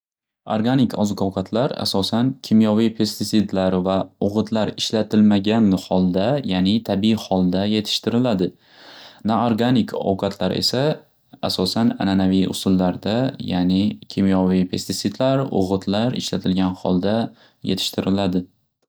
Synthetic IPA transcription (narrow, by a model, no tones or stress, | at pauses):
o̰ɾɡanɪkʰɒzqʰɒwqʰɑt̪ʰlaɾa̰sɒsankʲʰimjɒvijpʰe̞st̪ɪt̪sɪd̪laɾvaʊʁɨt̪ʰlaɾɪʃlat̪ʰɪlmaɡʲanhɒlˠd̪ajanɪt̪ʰabihɒlˠd̪aje̞t̪ʰɪ̥ʃt̪ɪɾɪlad̪ɪ | naoɾɡanɪkʰɒ̰wqʰɑt̪ʰlaɾe̞̰sa | asɒsana̰nanavijʔʊ̰sʊlːaɾd̪aja̰nɪkʲʰimjɒvipʰe̞st̪ɪt̪sɪd̪laɾʊ̰ʁɨt̪ʰlaɾɪ̰ʃlat̪ʰɪlɡʲanhɒlˠd̪a | jet̪ʰɪ̥ʃt̪ʰɪɾɪlad̪ɪ